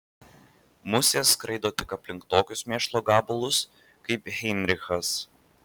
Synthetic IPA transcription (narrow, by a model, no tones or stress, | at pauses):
mʊsʲeːskɾɐɪd̪oːt̪ʲɪkɐpʲlʲɪŋkt̪oːkʲʊsmʲeɛʃlˠoːɡɑːbʊlˠʊs | kɐɪpɣʲɛɪnʲɾʲɪxɐs